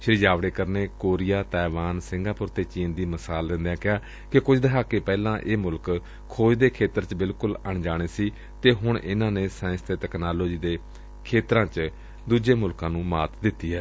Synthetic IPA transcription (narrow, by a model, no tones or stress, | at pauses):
ʃəɾɪd͡ʒaːʋɽeːkəɾneːkoːɾijaːt̪ɛːʋaːnsɪ̃ŋɡaːpʊɾt̪eːt͡ʃiːnd̪iːməsaːld̪ɪ̃nd̪ãːkɪaː | kɪkʊd͡ʒʰd̪əɦaːkeːpɛːlãːʔeːmʊlk | kʰːoːd͡ʒd̪eːkʰeːt̪əɾt͡ʃbɪlkʊləɳd͡ʒaːɽ̃eːsiː | t̪eːɦʊɳʔɪ̰nãːneːsãːɪ̃st̪et̪ɛːknaːloːd͡ʒiːd̪eː | kʰeːt̪ɾãːt͡ʃ | d̪uːd͡ʒeːmʊlkãːnũːmaːt̪d̪ɪt̪ːiːɦɛː